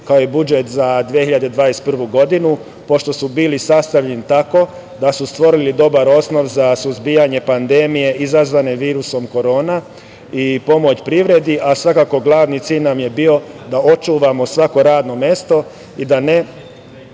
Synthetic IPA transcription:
kaoibud͡ʒet̪zad̪ʋijehiʎad̪ed̪ʋaːɾest̪̚pr̩ʋuɡo̞d̪inu | po̞ʃt̪o̞subiːlisast̪aʋʎenit̪ako̞ | d̪asust̪ʋo̞ɾilid̪o̞baɾo̞sno̞ʋzasuzbijaɲe̞pand̪emije̞ʔizazʋane̞ʋiːɾuso̞mko̞ɾo̞ːna | ipo̞mo̞t͡ɕpɾiʋɾe̞d̪iʔasʋakako̞ɡlˠaːʋnit̪siːʎnamje̞bio̞d̪ao̞t͡ʃuːʋamo̞sʋako̞ɾaːd̪no̞mje̞st̪o̞ | id̪ane

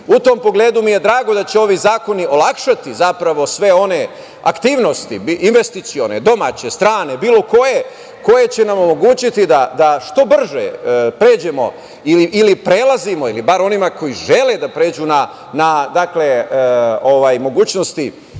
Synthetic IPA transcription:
ut̪o̞mpoɡle̞ːd̪umije̞d̪ɾaːɡod̪at͡ɕeo̞ʋizaːko̞nio̞lˠakʃat̪izapɾaʋo̞sʋe̞o̞ne̞ | a̰kt̪iːʋno̞st̪ḭinʋe̞st̪it̪sio̞ned̪o̞ma̰ːt͡ɕe̞st̪ɾaːne̞biːlo̞ko̞je̞ | ko̞je̞t͡ɕe̞namo̞mo̞ɡuːt͡ɕit̪id̪ad̪aʃt̪o̞br̩ʒḛpɾe̞ːd͡ʑe̞mo̞̰ | iliʔilipɾe̞lˠazimo̞ilibaɾo̞nimako̞jiʒe̞le̞d̪apɾe̞ːd͡ʒuːna | nad̪akle̞ | o̞ʋajmo̞ɡuːt͡ɕno̞st̪i

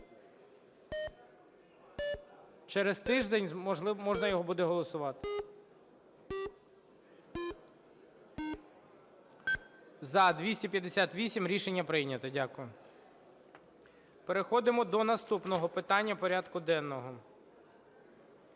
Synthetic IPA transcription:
t͡ʃɛɾɛzt̪ɪʒd̪ɛnʲˠmɔʒnɐjɔɦɔbud̪ɛɦɔlˠɔsʊʋɑt̪ɪ | zɐd̪ʋʲisʲtʲipʲjɐd̪esʲat̪ʋʲisʲimɾʲiʃenʲːɐpɾɪjnʲɐt̪ɐdʲakʊjʊ | peɾexɔd̪ɪmɔd̪ɔnɐst̪upnɔɦɔpɪt̪ɑnʲːɐpɔɾʲad̪kʊd̪ɛnːɔɦɔ

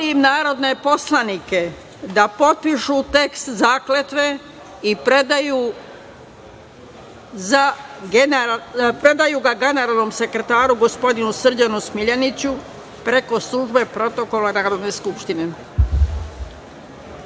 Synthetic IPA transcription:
imnaːɾo̞d̪nepo̞slˠanike̞ | d̪apo̞t̪̚piʃut̪e̞kst̪zaːkle̞t̪ʋe | ipɾe̞d̪ajuː | zaɡenpɾe̞d̪ajuɡaɡe̞ne̞ɾalˠno̞ːmse̞kɾe̞t̪aːɾuɡo̞spo̞d̪inusr̩d͡ʑanusmiʎanit͡ɕu | pɾe̞ko̞slˠuʒbe̞pɾo̞t̪o̞ko̞lanaːɾo̞d̪ne̞skupʃt̪ine̞

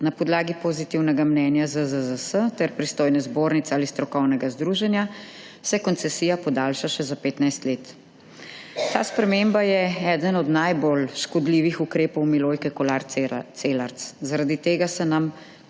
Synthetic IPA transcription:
napɔd̪laːɡipozit̪iwnɛɡamnɛːnjazəzəzəsət̪ɛɾpɾist̪oːjnɛzboːɾnit̪ɛaːlist̪ɾɔkɔwnɛɡazd̪ɾuːʒɛnja | sɛkɔnt̪sɛsiːjapɔd̪aːlʃaʃɛzapeːt̪najst̪leːt̪ | t̪aːspɾɛmembajɛɛːd̪ənɔd̪najbolʃkɔd̪liʋixukɾeːpɔwmiloːjkɛkɔlaɾselaɾszaɾad̪it̪eːɡasɛnam

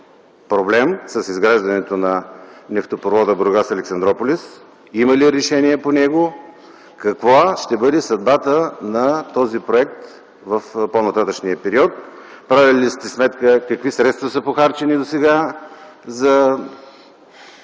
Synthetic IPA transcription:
pɾoblɛmsɐsizɡɾaʒd̪ɐnɛt̪onɐnɛft̪opɾovɔd̪əbɾoɡasɐlɛksɐnd̪ɾɔpolʲis | imɐliɾɛʃɛniɛponɛɡo | kɐkvoʃt̪ɛbɤd̪ɛsɐd̪bat̪ənɐt̪ɔzipɾoɛk̚t̪ | vəfponɐt̪at̪əʃniəpɛɾiɔt̪̚ | pɾavʲilist̪ɛsmɛt̪kəkɐkvisɾɛt̪st̪vɐsəpoxaɾt͡ʃɛnid̪osɛɡa | zɐ

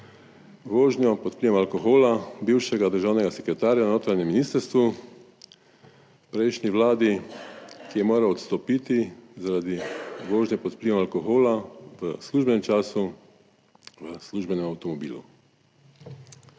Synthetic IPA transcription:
ʋoːʒnjɔpɔt̪pliːʋɛmalkɔxoːlabiwʃɛɡad̪əɾʒaːwnɛɡasɛkɾɛt̪aːɾjanoːt̪ɾanjɛmːiniːst̪əɾst̪ʋu | pɾejʃniʋlaːd̪i | kijɛmoːɾaɔt̪st̪ɔpit̪izaɾad̪iʋoːʒnjɛpɔt̪pliʋɛmalkɔxoːlaʋəsluːʒbɛnɛmt͡ʃaːsu | ʋəsluʒbɛnɛmawt̪ɔmɔbiːlṵ

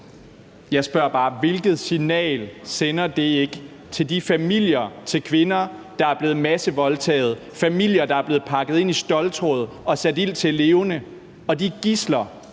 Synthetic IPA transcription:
jɑ̈ɪsb̥ɶɐ̰b̥ɑ̈ːʋe̝lɡ̥ð̞̩ˠsinɛ̰ːlsenɐd̥e̝e̝ɡ̥ | t͡sʰe̝ld̥ifæmil̰jɐt͡sʰe̝lkʰʋe̝nɐd̥ɑ̈æɐb̥le̝ːð̩ˠmæsəʋɒ̽lt͡sʰɛ̰ːð̞̩ˠ | fæmil̰jɐd̥ɑ̈æɐb̥le̝ːð̩ˠpʰɑ̈ɡ̥ð̞̩ˠe̝n̰isd̥ɒ̽lt͡sʰʁɔ̰ðˠ | ɒ̽sæd̥il̰t͡sʰe̝le̝ːʊnə | ɒ̽d̥iɡ̥islɐ

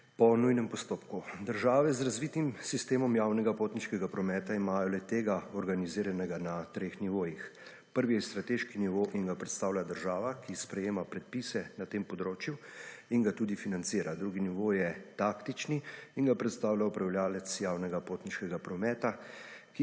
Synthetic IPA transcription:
pɔnujnɛmpɔst̪oːpkud̪əɾʒaːʋɛzɾazʋit̪imsist̪eːmɔmjaːwnɛɡapoːt̪niʃkɛɡapɾɔmɛːt̪aimaːjɔlɛt̪eːɡaɔɾɡaniziːɾanɛɡanat̪ɾeːxniʋoːjix | pəɾʋijɛst̪ɾat̪eʃkiniʋoʔiŋɡapɾɛt̪st̪aːwlʲjad̪əɾʒaːʋakispɾɛjeːmapɾɛt̪̚pisɛnat̪eːmpɔd̪ɾoːt͡ʃjuiŋɡat̪uːd̪ifinant̪siːɾad̪ɾuɡiniʋoːjɛt̪aːkt̪it͡ʃniiːnɡapɾɛt̪st̪aːwljaɔpɾawljaːlɛt̪sjaːwnɛɡapoːt̪niʃkɛɡapɾɔmɛːt̪ak

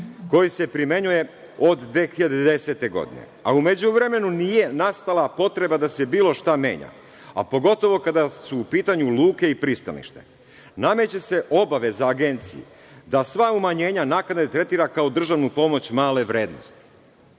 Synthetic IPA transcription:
ko̞jise̞pɾime̞ɲuje̞ | o̞d̪ːʋeːxiʎad̪ed̪e̞se̞t̪e̞ɡo̞̰d̪ḭnḛa̰ume̞d͡ʑuʋɾe̞me̞nunije̞nast̪alˠapo̞t̪ɾe̞bad̪ase̞biːlo̞ʃt̪ame̞̰ːɲa̰ | a̰po̞ɡo̞t̪o̞ʋo̞kad̪asuːpiːt̪aɲuluːke̞ipɾist̪a̰lḭʃt̪e̞̰ | name̞t͡ɕe̞se̞ʔo̞baʋe̞zaːɡe̞nt̪sḭjṵ | d̪asʋaumaɲe̞ːɲanakad̪et̪ɾe̞t̪iːɾakaod̪r̩ʒaʋnupo̞mo̞t͡ɕmaːle̞ʋɾe̞ːd̪no̞̰st̪i̥

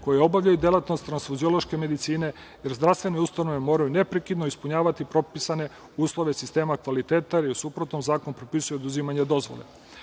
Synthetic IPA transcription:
kojeo̞baʋʎajud̪jelat̪no̞st̪ɾansfuzioloʃke̞me̞d̪it̪siːne̞ | jeɾzd̪ɾast̪ʋe̞neust̪anoʋe̞mo̞ːɾajune̞pɾekid̪noispuɲaːʋat̪ipɾo̞pisane̞ | uːslˠo̞ʋe̞sist̪e̞ːmakʋalit̪eːt̪aɾiusupɾot̪nomzaːkonpɾopisujeod̪uzimaɲed̪o̞zʋo̰lḛ

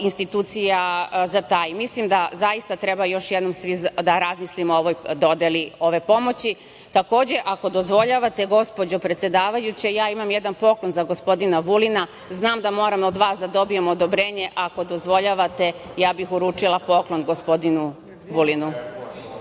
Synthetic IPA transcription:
inst̪it̪uːt̪sijazat̪aːjmislimd̪azaist̪at̪ɾebajo̞ʃjed̪no̞msʋizd̪aɾazmislimooʋo̞jd̪o̞d̪elio̞ʋe̞po̞mo̞t͡ɕi | t̪ako̞ːd͡ʑe̞ʔako̞d̪o̞zʋo̞ʎaʋat̪e̞ɡo̞spo̞d͡ʑo̞pɾet̪sjed̪aːʋajut͡ɕejaːimamjed̪anpo̞klo̞nzaɡo̞spo̞d̪inaʋulina | znaːmd̪amo̞ːɾamod̪ʋaːsd̪ad̪o̞bijemood̪obɾeːɲe̞ʔako̞d̪o̞zʋo̞ʎaʋat̪e̞ | jaːbixuɾuːt͡ʂilˠapo̞klˠo̞nɡo̞spo̞d̪inu | ʋulinu

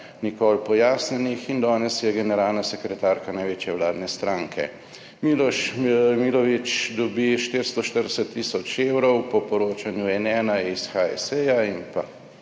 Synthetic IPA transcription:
nikɔlpɔjaːsnɛnixind̪ɔːnɛsjɛɡɛnɛɾaːlnasɛkɾɛt̪aːɾkanajʋeːt͡ʃjɛʋlaːd̪nɛst̪ɾaŋkʰɛ̰ | milɔʃmilɔʋit͡ʃd̪ɔbiʃt̪eɾst̪ɔʃt̪əɾd̪ɛsɛt̪ːisɔt͡ʃewɾɔwpɔpɔɾoːt͡ʃanjuɛnɛːnaisxaɛ̰sɛjainpa̰

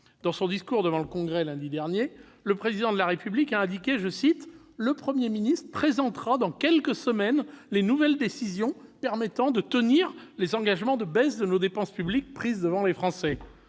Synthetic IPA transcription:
d̪̥ɑ̃sɔ̃d̪iskuʁd̪əvɑ̃ləkɔ̃ɡʁɛlɛ̃d̪id̪ɛʁnje | ləpχezid̪ɑ̃d̪əlaʁepyblikaɛ̃d̪ikʲeʒəsit̪ | ləpχəmjeminist̪χəpχezɑ̃t̪χad̪ɑ̃kʲɛlkəsəmɛnlenuvɛld̪esizjɔ̃pɛʁmɛt̪ɑ̃d̪ət̪əniʁlezɑ̃ɡaʒmɑ̃d̪əbɛsd̪ənod̪epɑ̃spyblik̚pχizd̪əvɑ̃lefχɑ̃sɛ

